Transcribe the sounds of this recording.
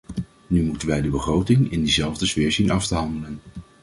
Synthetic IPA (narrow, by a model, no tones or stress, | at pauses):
nymutənʋɛjdəbəχrowtɪŋɪndizɛlˠvdəzvɪːɹzinɑftəɦɑndələn